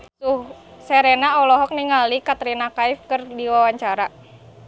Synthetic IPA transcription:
usɛɾenaɔlɔɦɔk̚niŋalikat̪ɾinakaifkɨrdiwawaɲt͡ʃaɾa

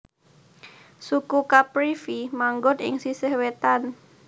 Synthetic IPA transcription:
sukukapɾifimaŋɡʊnɪ̰ŋsisəhwet̪an

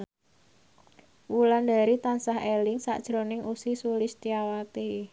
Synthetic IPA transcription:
wuland̪a̤ɾit̪ansaɦelɪŋsa̰ʔd̥ʒ̥ɾonɪŋʔusisulɪst̪iawat̪e

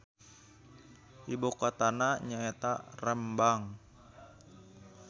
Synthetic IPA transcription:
ʔibokat̪anaɲaet̪arəmbaŋ

